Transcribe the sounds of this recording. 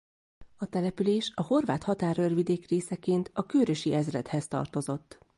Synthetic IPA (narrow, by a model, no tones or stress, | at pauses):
ɒt̪ɛlɛpyleːʃɒho̞rvaːt̪hɒt̪aːrørvid̪eːkreːsɛkeːnt̪ɒkøːɾøʃiɛzrɛt̪hɛst̪ɒ̰rt̪o̞zo̞t̪ː